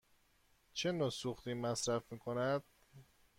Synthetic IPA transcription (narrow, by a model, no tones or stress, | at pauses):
t͡ʃʰe̞noːsuxt̪iːmæsɾæfmiːkʰonæd̪̥̚